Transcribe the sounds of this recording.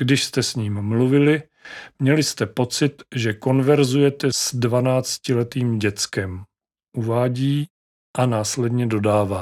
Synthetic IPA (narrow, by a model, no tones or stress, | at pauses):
ɡ̥dɪʃst̪ɛsɲiːmːluvɪlɪ | mɲɛlɪst̪ɛpo̞t͡sɪt̪ʒɛko̞nvɛɾzujɛt̪ɛzdvanaːt͡scɪlɛt̪iːmɟɛt͡skɛm | ʔuvaːɟiː | ʔanaːslɛdɲɛdo̞daːvaː